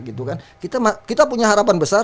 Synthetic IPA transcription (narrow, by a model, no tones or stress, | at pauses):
ɡit̪ukankit̪amakit̪apuɲaɦaɾapanbəsa